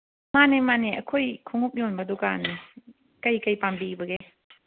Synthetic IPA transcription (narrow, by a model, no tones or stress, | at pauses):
manemaneɐ̰kʰojkʰuŋup̚jɔnbɐdukani | kɐjkɐjpambibɐɡe